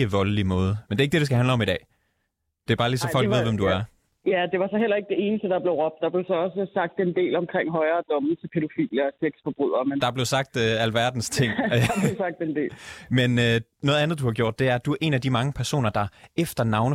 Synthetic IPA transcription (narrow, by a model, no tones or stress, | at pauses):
əʋɒ̽ləlimɔ̽ːð̞ˠəmende̝ɐe̝ɡ̥̚d̥e̝ɾesɡ̥æhænləɒ̽mid̥ɛ̰ː | d̥e̝b̥ɑ̈ːlisɒfɒlɡ̥ʋḛʋemd̥uæɐ | jæd̥e̝ʋɑ̈sɒ̽ɦel̰ɐe̝ɡ̥̚d̥e̝e̝ːnəsd̥əd̥ɑ̈b̥le̝ʊʁɔ̽b̥d̥ɑ̈b̥le̝ʊsɒ̽ɒ̽səsɑ̈ɡ̥̚d̥e̝nd̥e̝̰ːlɒ̽mkʰʁeŋ̰ɦɒ̽ɪɐːd̥ɔ̽m̩t͡sʰepʰeɾo̝fḭːljɐseɡ̥sfɒb̥ʁyð̞̰ˠɐmend̥ɑ̈b̥le̝ʊsɑ̈ɡ̥̚d̥øælʋæɐd̥n̩st͡sʰe̝ŋ̰besɑ̈ɡ̥̚d̥ende̝̰ːmenønɔːð̞̩ˠænðˠd̥uhɑ̈ɡjo̝ɐ̰d̥e̝æɐd̥uæɐʔe̝næd̥imɑ̈ŋəpʰæɐso̝̰ːnɐd̥ɑ̈efd̥ɐnɑ̈ʊnə